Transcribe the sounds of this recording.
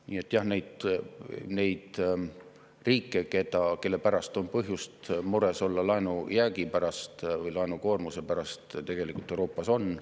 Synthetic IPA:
niːe̞t̪ːˑjɑhne̞jd̪̥ | ne̞jd̪̥ | riːkˑːe̞ke̞d̪̥ɑke̞lːe̞pæɾɑst̪o̞npɤɦjust̪muɾe̞so̞lːɑlɑenujæːɡipæɾɑst̪vɤjlɑenuko̞ːrmuse̞pæɾɑst̪t̪e̞ɡ̥e̞likːˑult̪ːˑeuɾo̞ːpːˑɑso̞n

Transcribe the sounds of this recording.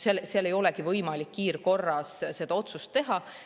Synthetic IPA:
selseɑle̞jo̞lɛkivɤjmɑlikːiːɾko̞rːɑsse̞d̪̥ɑo̞t̪sust̪ːe̞ɦɑ

